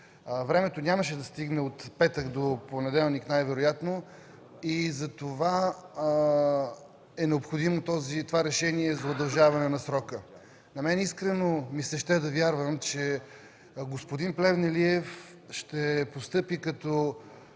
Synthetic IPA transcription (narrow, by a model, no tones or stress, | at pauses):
vɾɛmɛt̪onʲaməʃɛd̪ɐst̪iɡnɛot̪pɛt̪əkd̪oponɛd̪ɛlˠniknajvɛɾojat̪no | izɐt̪ova | ɛnɛopxod̪imot̪ɔzit̪ovaɾɛʃɛniɛzɐʊd̪ɐlˠʒavɐnɛnɐsɾɔkə | nɐmɛniskɾɛnomisɛʃt̪ɛd̪ɐvjaɾvəmt͡ʃɛ | ɡospod̪inplɛvnɛliɛf | ʃt̪ɛpost̪ɤpikɐt̪ɔ